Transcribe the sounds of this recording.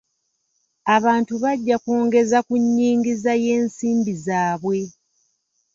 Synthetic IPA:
aβaːntuβaɟːakoːŋɡe̞zakuɲːiːŋɡizaje̞ːnsiːmbizaːβwe̞

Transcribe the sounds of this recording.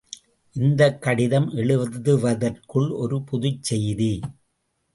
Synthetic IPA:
ʔɪnd̪ɐkːɐɽɪðɐmʔɛɭɯʋðɯʋɐðɐrkɯɭʔɔɾɯpʊðʊt͡ʃsɛjði

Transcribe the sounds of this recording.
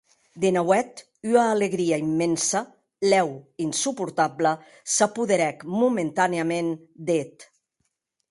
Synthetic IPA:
d̪enawɛt̪ | yaːleɣɾiaimːɛnsa | lɛwinsupuɾt̪ablə | sapuðeɾɛkmument̪aneamen | d̪et̪

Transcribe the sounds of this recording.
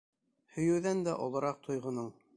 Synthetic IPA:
hɵ̆jɘ̆wðænd̪æʔŏ̰lˠɤ̆ɾɑq̚t̪ʰŏjʁɤ̆nɤɴ

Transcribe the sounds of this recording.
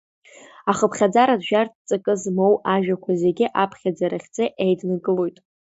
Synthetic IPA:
aχəpʰχʲad͡zaɾadʒᶣartʰt͡sʼakʼɨzmo̞waʒᶣakʷʰaze̞ɡʲɪʔapʰχʲad͡zaɾaχʲt͡sʼeʔejdnaɡʼɨlo̞jtʼ

